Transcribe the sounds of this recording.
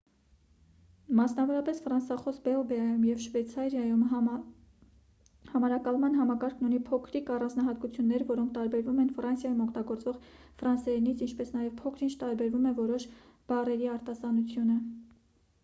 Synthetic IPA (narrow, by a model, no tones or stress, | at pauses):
mɑsnɑvɔɾɑpɛsfɾɑnsɑχɔsbɛɔbɛɑjumjɛvʃvɛt͡sʰɑɾjɑjum | hɑmɑɾɑkɑlmɑnɦɑmɑkɑɾkʰnunipʰɔkʰɾikɑrɑnd͡znɑɦɑt̪kut͡sʰjunːɛɾvɔɾɔŋkʰt̪ɑɾbɛɾvumɛnfrɑnsjɑjumɔkʰt̪ɑɡɔɾt͡svɔʁ | fɾɑnsɛɾinit͡sʰint͡ʃʰpɛsnɑjɛvpʰɔkʰɾint͡ʃʰt̪ɑɾbɛɾvumɛvɔɾɔʃ | b̥ɑrɛɾiɑɾt̪ɑsɑnut͡sʰjunə